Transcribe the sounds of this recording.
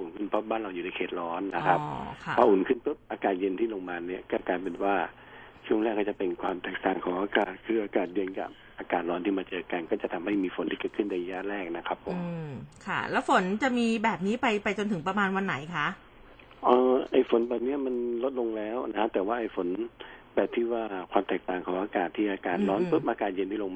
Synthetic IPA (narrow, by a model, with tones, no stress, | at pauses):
ʔuː˨˩nkʰɯ˥˩npʰɔ˦˥baː˥˩nɾla˧wjuː˨˩na˧jkʰeː˧˩t̪̚ɾɔː˦˥nːa˦˥kʰa˦˥kʰa˦˩pʰaː˧ʔuː˨˩nkʰɯ˥˩npʰɯ˦˥p̚ʔaː˧kaː˨˩t̪̚je˧nt̪ʰiː˥˩lo˧ŋmaː˧ni˦˥˩ɐkɔː˥˩kaː˧jpe˨nwaː˥˩ | t͡ɕʰu˥˩əŋlɛː˥˩kʰːɔ˧˥˩t͡ɕa˨˩pe˧nkʰwaː˧mt̪ɛː˨˩k̚t̪aː˨˩ŋkʰɔː˨˩˦ʔaː˧kaː˨˩t̪̚kʰɯː˧˩ʔaː˧kaː˨˩t̪̚jɤ˧nka̰˨˩p̚ʔaː˧kaː˨˩t̪̚lɔː˦˥nt̪ʰiː˥˩maː˧t͡ɕɤː˧ka˧nkɔː˥˩t͡ɕa˨˩t̪ʰa˧mha˥˩jmiː˧fo˨˩˦nt̪ʰiː˥˩kɤː˨˩t̪kʰɯ˥˩nːa˧jja˦˥ɾɛː˥˩k̚na˦˥kʰa˦˥pʰːo˨˩˨mɯ˧kʰa̰˥˩lɛː˦˥wfo˩˦nt͡ɕa˨˩miː˧bɛː˨˩p̚niː˦˥pa˧jpa˧jt͡ɕo˧nt̪ʰɯ˩˦ŋpa˧maː˧nwa˧nːa˩˦jkʰa˦˥ʔ | ʔəː˧˩ʔa˧˥˩jfo˨˩˦nbɛː˨˩p̚ni˦˥ɐma˧nlo˦˥t̪̚lo˧ŋlɛː˦˥wna˦˥kʰa˦˥t̪ɛː˨˩waː˥˩ʔa˧˩jfo˩˦nbɛː˨˩p̚t̪ʰiː˥˩waː˥˩kʰwaː˧mt̪ɛː˨˩k̚t̪aː˨˩ŋkʰɔː˨˩˦ʔaː˧kaː˨˩t̪ʰːiː˥˩ʔaː˧kaː˨˩t̪̚ɾɔː˦˥nɯ˦˥p̚ʔaː˧kaː˨˩t̪̚je˧nʰiː˥˩lo˧ŋmaː˧˩